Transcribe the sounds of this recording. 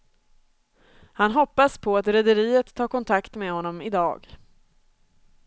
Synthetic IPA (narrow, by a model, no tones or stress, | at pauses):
hanɦɔpːaspʰɔat̪ɾɛd̪əɾiːət̪ʰːɑːɾkʰɔnt̪ʰakt̪meːhɔnːɔmɪd̪ɑ̰ːɡ